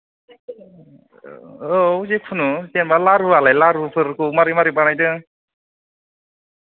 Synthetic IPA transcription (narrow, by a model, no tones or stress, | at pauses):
ouzekʰunusenbalaɾualajlaɾupʰɯɾkɯwmaɾimaɾibanajdɯ